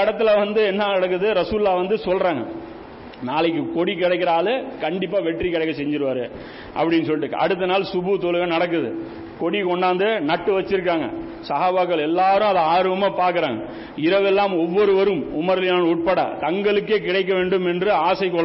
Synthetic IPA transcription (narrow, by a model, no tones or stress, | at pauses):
ɐɽɐt̪ːɪlɐʋɐnd̪ɯɛnːaːnɐɽɐk̬ːɯðɯɾɐsuːlɪlaːʋɐnd̪ɯsɔlɾaːŋɡɐ | naːlɐk̬ːɯkɔɽikɪɽɐɪkːɪɾaːlɯkɐɳɖɪpːaːʋɛʈrikɪɽɐɪkːɐsɛɲd͡ʒɪɾɯʋaːɾɯ | ʔɐ̰pːɐɽɪnːɯs̬ɔlːɪʈːɯkːʔɐ̰ɽɯt̪ːɐnaːlsʊbut̪oɻɯɣɐnɐɽɐk̬ːɯðɯ̰ | kɔɽikɔɳɖaːnd̪ɯnɐʈːɯʋɐt͡ʃːɪɾɯkːaːŋɡɐ̰ | sɐɦaːbaːkːɐɭɛlːaːɾɯ̃ɐðɐaːɾɯʋɐmaːpaːɾkɯɾaːŋɡɐ | ɪɾɐʋɛlːaːmɔʋːɔɾɯʋɐɾɯmʊmɐɾɐlɪjaːnuːʈ̚pɐɽɐ̰t̪ɐŋɡɐɭɯkːeːkɪɽɐɪk̬ːɐʋeːɳɖɯmɛndrɯaːsɐɪkːɔɭː